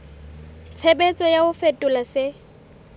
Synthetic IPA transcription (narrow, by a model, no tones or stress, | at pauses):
t͡sʰebet͡sʼɔjaʊfetʼʊlasɪ